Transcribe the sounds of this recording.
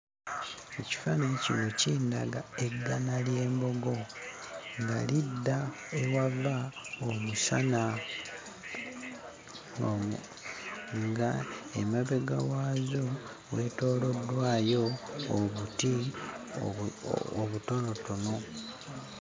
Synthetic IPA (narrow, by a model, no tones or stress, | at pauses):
eci̥faneːciβociːnda̰ɡae̞ɡanalje̞ːmbo̞ɡo̞ | ŋɡalidːa | ewavaomusana | o | ŋɡaemeβeɡawaːzo | weːto̞ːlo̞dːwaːjo̞ːβuti | oβuto̞no̞tono̞